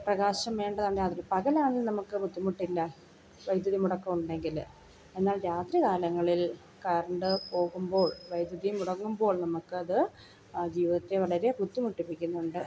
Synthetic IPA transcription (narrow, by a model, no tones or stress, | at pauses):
prɐɣaːɕɐmʋe̞ːɳɖɐðaːɳɖaːt̪rɾpɐɣɐlaːɳilnɐmukːɨput̪ːimuʈːilːɐ | ʋɐjd̪jɐðimuɽɐkːɐʋuɳɖe̞ŋɡil | e̞nːaːlɾaːt̪rikaːlɐŋːɐɭil | kɐːrɐɳɖɨpo̞ːɣumbo̞ːɭʋɐjd̪jɐðijmuɽɐŋːumbo̞ːɭnɐmukːɨɐðɨ | d͡ʑiːʋiðɐt̪ːe̞ʋɐɭɐɾe̞put̪ːimuʈːipikʲːunːuɳɖɨ